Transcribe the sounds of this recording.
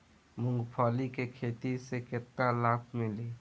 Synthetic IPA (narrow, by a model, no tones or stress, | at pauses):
mʊ̃ŋɡpʰaːlikekʰeːt̪iseket̪ːalaːkʰmɪle